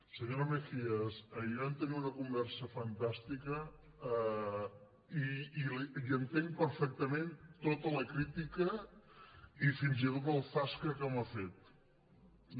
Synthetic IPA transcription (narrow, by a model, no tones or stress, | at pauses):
səɲoɾəmefiəsəant̪əniunəkumbɛɾsəfənt̪ast̪ikə | iːliiənt̪eŋpəɾfɛk̚t̪əment̪ot̪ələkɾit̪ikə | ifinzit̪ot̪̬əlˠfaskəkəməfet̪̚